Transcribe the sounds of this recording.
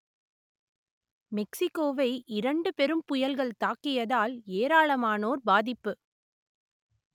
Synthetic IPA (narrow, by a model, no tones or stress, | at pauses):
mɛksɪkːoːʋɐɪʔɪɾɐɳɖɯpɛɾɯmpʊjɐlɣɐɭt̪aːkːɪjɐðaːleːɾaːɭɐmaːnoːɾbaːðɪpːɯ